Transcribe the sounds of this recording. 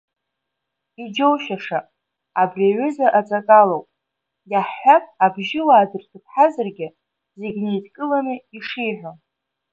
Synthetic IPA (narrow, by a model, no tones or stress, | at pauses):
id͡ʒowʃaʂa | abrʲaɥʷʏzaʔat͡sʼakʼalowpʼ | jaħːʷakʼabʒɪwaːdɨrtʰɨpʰħazarɡʲɪ | zeɡʲne̞jtʰkʼɨlanɨiʂijħᶣʷo